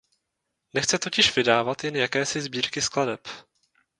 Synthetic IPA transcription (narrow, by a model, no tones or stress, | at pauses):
nɛxt͡sɛt̪o̞cɪʃv̥ɪdaːvat̪jɛnjakɛːsɪzbiːɾkɪskladɛp